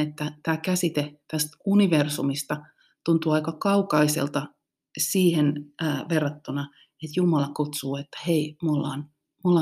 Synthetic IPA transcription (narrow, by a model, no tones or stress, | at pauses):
et̪ːæt̪æːkæsit̪et̪æst̪uniʋersumist̪ɑ | t̪unt̪uːɑikɑkɑukɑisḛlt̪ɑ | siːhenːʋerːɑt̪ːunɑ | et̪jumɑlɑkut̪suːet̪ːæ̥heimulːɑːn | mulːɑ